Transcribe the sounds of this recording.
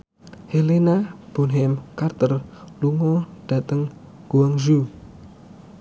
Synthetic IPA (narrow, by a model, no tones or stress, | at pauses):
helenab̥ɔ̤nɦɛmkart̪ərluŋɔɖ̥a̤t̪əŋ | ɡ̥uwaŋʒu